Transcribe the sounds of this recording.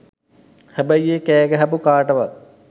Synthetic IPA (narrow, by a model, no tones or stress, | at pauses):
hæbəjeːkɛːɡəɦapukaːʈəʋat̚